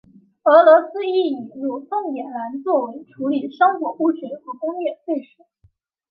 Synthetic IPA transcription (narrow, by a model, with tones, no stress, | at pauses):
ɤ˧˥lwɔ˧˥sɹ̩˥i˥˩i˨˩nlu˥˩t̪ʊ˥˩ŋjɛ˨˩nla˧˥nt͡swɔ˥˩we˧˥ɪʈ͡ʂʰu˧˥li˨˩ʂɑ˥ŋkwɔ˨˩u˥˩ʈ͡ʂi˧˥xɤ˧˥kʊ˥ŋjɛ˥˩fwe˥˩ɪʂɻ̩˨˥˦